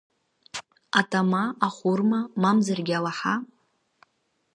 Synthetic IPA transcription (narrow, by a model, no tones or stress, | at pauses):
atʼʰamaaχʷurmamamzarɡʲalaħa